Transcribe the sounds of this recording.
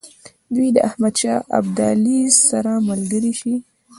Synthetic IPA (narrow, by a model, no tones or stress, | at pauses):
d̪wiid̪əʔahmad̪ʃɑʔa̰bd̪alisaɾamalɡəɾiʃi